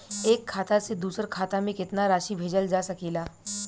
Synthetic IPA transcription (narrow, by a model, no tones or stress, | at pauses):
eːkʰːaːt̪ased̪uːsəɾkʰaːt̪amẽkɪt̪naɾaːʃibʱeːd͡ʒəld͡ʒaːsɐkiːlaː